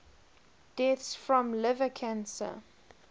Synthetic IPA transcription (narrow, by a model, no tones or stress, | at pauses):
d̥ɛθsfɹɔ̃mlɪvəkʰãnsə̰